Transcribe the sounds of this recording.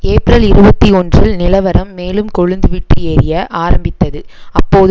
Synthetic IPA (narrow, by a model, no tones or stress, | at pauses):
eːpɾɐlɪɾɯbɐt̪ːiɔndrɪlnɪlɐʋɐɾɐmːeːlɯmkɔɻɯnd̪ɯʋɪʈːrɯjeːɾɪjɐʔaːɾɐmbɪt̪ːɐðɯ | ɐpːoːð